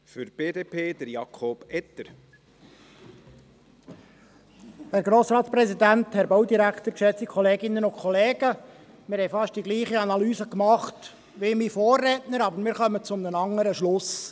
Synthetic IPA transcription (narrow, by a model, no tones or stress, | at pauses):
fyɾb̥eːdeːpʰeːd̥̪əɾjɑkʰoːb̥ɛt̪əɾ | hæɾɡɾoːsɾɑːtsprɛsidænt̪hɛɾbowdiɾækχt̪əɾkʃɛt͡sikʰɔleːɡɪnːənʊnkʰχɔleːɡ̥ə | mɪːɾhɛjfɑʃt̚d̥iɡliːχəɑnɑlyːzəkmɑχt | ʋɪmifoːrːɛːtnəɾɑbəɾmɪːɾχœmət͡sʊmnənɑŋːəɾəʃlʊs